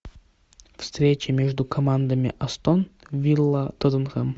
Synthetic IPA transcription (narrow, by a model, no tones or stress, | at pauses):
fst̪ɾʲet͡ɕɪmʲeʐd̪ʊkʰɐmand̪əmʲɪ̰ʔɐst̪onvʲilˠːət̪od̪ənʁəm